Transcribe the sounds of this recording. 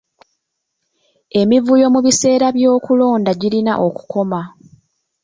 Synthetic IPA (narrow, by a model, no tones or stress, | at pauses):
e̞mivujo̞muβise̞ːɾaβjo̞ːkulo̞ːndaɟilina̰ʔo̞ku̥ko̞ma